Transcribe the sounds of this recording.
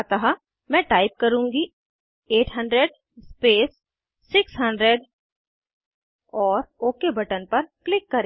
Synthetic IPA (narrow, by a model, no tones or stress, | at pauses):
t̪aɦa | mɛ̃ːʈaːɪp̚kɐɾũːŋɡi | eːʈʰɦə̃ɳɖɾeɖ | speːsː | ɪksɦə̃ɳɖɾeɖ | ɔːɾoːkebʱɐʈənpɐɾklɪkːɐɾe